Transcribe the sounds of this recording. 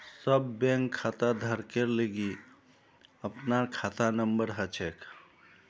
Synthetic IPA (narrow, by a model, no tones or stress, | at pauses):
səbːẽŋkʰːat̪ad̪ʱəɾkeɾleɡi | əpnaɾkʰat̪anəmbəɾɦət͡ʃʰek